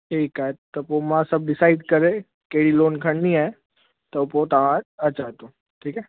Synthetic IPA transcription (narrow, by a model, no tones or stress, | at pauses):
ekat̪əpomãsəb̚ɖɪsaɪɖkəɾe | keɽiloːnkʰə̃ɳnĩa | t̪əpot̪aãət͡ʃat̪o | ʈʰiːkɛ